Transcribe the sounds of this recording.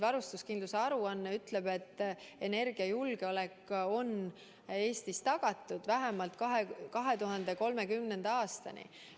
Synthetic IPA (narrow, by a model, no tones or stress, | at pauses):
vɑɾust̪uskind̪luseɑɾuɑnːeyt̪ˑle̞b̥e̞t̪ːe̞ne̞rɡ̥iɑjulɡ̥eolekːo̞n | e̞ːst̪ist̪ɑɡ̥ɑt̪ːˑud̪̥væɦemɑlt̪kɑɦekɑɦe̞t̪uɦɑnd̪̥e̞ko̞lme̞kymne̞nd̪̥ɑɑːst̪ɑ̰nḭ